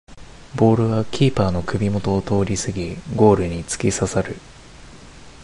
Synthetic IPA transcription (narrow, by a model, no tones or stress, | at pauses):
bo̞ːɾɯ̟βakʲʰiːpaːno̞kɯ̟bʲimo̞t̪o̞ːt̪o̞ːɾʲisɨɡʲiɡo̞ːɾɯ̟ɲ̟it͡sɨ̥kʲisasaɾɯ̟